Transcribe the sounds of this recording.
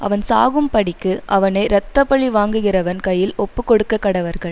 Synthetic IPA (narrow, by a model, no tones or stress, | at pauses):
ʔɐ̰ʋɐnsa̰ːɣɯmpɐɽɪkːɯʔɐʋɐnɐɪɾɐt̪ːɐpːɐɭiʋaːŋɡɯɣɪrɐʋɐnkɐjɪlɔpːɯkːɔɽɯkːɐkːɐɽɐʋɐɾɣɐɭ